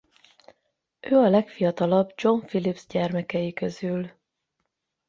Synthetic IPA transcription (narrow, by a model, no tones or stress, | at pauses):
ʔøːɒlɛkfijɒt̪ɒlɒbd͡ʒo̞ɱfilibz̥ɟɛrmɛkɛjikøzyl